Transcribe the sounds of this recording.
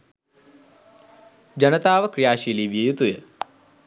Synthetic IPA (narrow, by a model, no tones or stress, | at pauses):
d͡ʒɐnɐt̪aːʋɐkɾijaːʃiːliːʋjɐjut̪ujə